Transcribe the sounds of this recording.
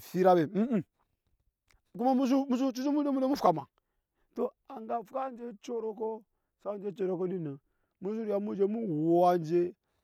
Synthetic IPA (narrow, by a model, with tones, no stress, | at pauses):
si˦ɾa˦be˨m̩˦˨ | ku˦ma˦mu˦s̬u˦mu˦s̬u˦t͡ʃi˦t͡ʃi˦mu˦de˦mu˦e˦mu˦fu˨ka˨ma̰˨ | to˦ | a˨ŋɡa˨fu˦ka˦nd͡ʒe˦t͡ʃo˦ɾo˦ko˦ | sa˦˨nd͡ʒe˦t͡ʃo˨ɾo˦ko˦di˦nə˨ | mu˦s̬u˦ɾi˨ja˨mu˦d͡ʒe˦mu˦wo˨a˨nd͡ʒe˦